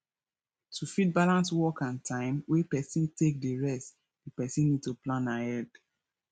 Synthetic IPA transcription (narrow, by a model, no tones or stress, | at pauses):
tʰufit̚balãnswɔkãntʰãɪ̃mwepɛsĩntʰek̚dəɹɛst | dipɛsĩnːid̚tuplãnahɛld